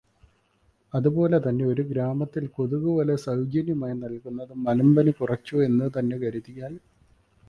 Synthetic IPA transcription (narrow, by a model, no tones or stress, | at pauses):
ɐðubo̞ːle̞t̪ɐnːe̞o̞ɾuɡɾaːmɐt̪ːilkoðuɣuʋɐlɐsɐwd͡ʑinjɐmaːjinɐlkunːɐðɨmɐlɐmbɐnikurɐt͡ɕːue̞nːɨt̪ɐnːe̞kɐɾuðijʲaːju